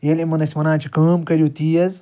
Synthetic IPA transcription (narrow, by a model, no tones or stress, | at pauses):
jelimɐnɐsʲmɐnaːt͡ʃʰikɐːmkɐɾʲjoːt̪iːɐz